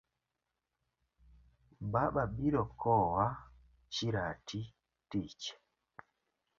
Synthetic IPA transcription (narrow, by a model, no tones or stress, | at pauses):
baɓaɓiɾɔkʰɔwa | t͡ʃiɾati | tiːt͡ʃɛ̥